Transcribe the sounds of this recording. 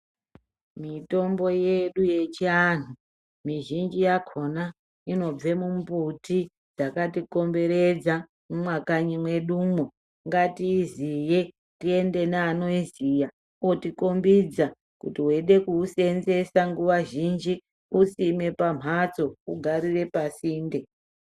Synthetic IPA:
mito̞mbo̞jeɗuje̞t͡ʃianu | miʒind͡ʒijakʰo̞na | ino̞b͡ve̞mumbuti | d͡zakatiko̞mbe̞ɾed͡za | mumwakaɲimwe̞ɗumo | ŋɡatiːzije̞ | tie̞nde̞naːno̞izija | otikombid͡za | kutiɦweɗe̞kuːse̞nze̞saŋɡuʋaʒind͡ʒi | usime̞pam̤at͡so̞uɡʱaɾire̞pasiːnde

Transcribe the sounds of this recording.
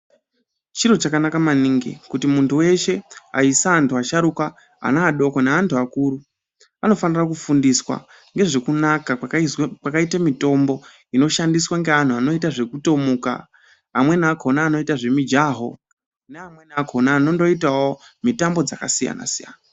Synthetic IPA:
t͡ʃiɾo̞t͡ʃakanakamaniːŋɡḛkutimuntʰuwe̞ʃe̞a̰isaːntʰuaʃaɾukwa | a̰naːɗo̞koneantʰuakuːɾu | ano̞fanirakufundiswa̰ | ŋɡe̞ʐe̞kunakawakwakaitamito̞mbo̞ | ino̞ʃandiswaŋɡe̞ɦan̤uano̞itaʐe̞kuto̞muka̰ː | mwe̞naako̞naːno̞itaʐe̞mid͡ʒaɦo̞̰ | neamwe̞naakʰo̞naːno̞ndo̞itawomitambo̞d͡zakasija̰na̰sija̰na

